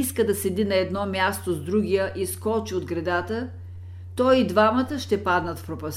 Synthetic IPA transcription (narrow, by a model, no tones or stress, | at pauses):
skəd̪ɐsɛd̪inɐɛd̪nɔmʲjast̪ozd̪ɾuɡʲijəʔiskɔt͡ʃiod̪ɡɾɐd̪at̪ə | t̪ɔjid̪vamət̪əʃt̪ɛpad̪nət̪fpɾopɐs